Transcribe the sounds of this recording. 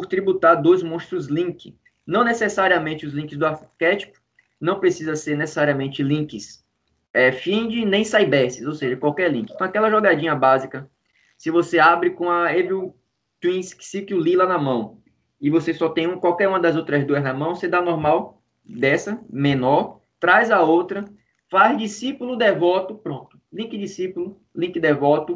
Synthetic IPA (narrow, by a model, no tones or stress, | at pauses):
pʊɾt̪ɾibut̪aɾd̪ojzmõst̪ɾʊzlĩkɪ | nɐ̃w̃nesesaɾiɐmẽt͡ʃɪʊzlĩkɪzd̪ʊaɾkɛt͡ʃi̥pʊ̥ | nɐ̃w̃pɾesizɐseɾnesesaɾiɐmẽnt͡ʃɪlĩkɪs | ɛfĩd͡ʒɪnẽj̃sajbɛsɪzowseʒɐkwawkɛɾlĩŋkɪ̃t̪ɐ̃w̃akɛlɐʒɔɡad͡ʒĩɲɐbazikɐ | sɪvoseabɾɪkõɐevu | t̪wĩsksikɪʊlilanɐmɐ̃w̃ | ɪvosesɔt̪ẽj̃ũkwawkɛɾũmɐd̪ɐzowt̪ɾɐzd̪uɐznɐmɐ̃w̃sed̪anɔɾmaw | d̪ɛsɐmẽnɔɾ | t̪ɾajzɐowt̪ɾɐ | fazd͡ʒisipulʊd̪ɛvɔt̪ʊpɾõnt̪ʊ̥lĩkɪd͡ʒisipulʊ | lĩkɪd̪ɛvɔt̪ʊ